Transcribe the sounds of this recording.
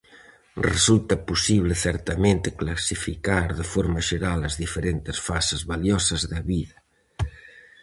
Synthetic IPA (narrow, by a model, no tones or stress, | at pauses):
rḛsult̪ɐpusiβ̞leθɛɾt̪ɐmẽnt̪ɪklasifikaɾðefoɾmɐʒeɾalɐzðifeɾent̪ɪsfasɪzβaljɔsɐzðɐβiðɐ